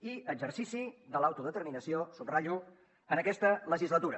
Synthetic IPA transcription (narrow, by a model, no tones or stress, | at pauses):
iəɡd͡ʒərsisiðəlawt̪uðət̪əɾminəsiosubraʎu | ənəkɛst̪ələʒizlət̪uɾə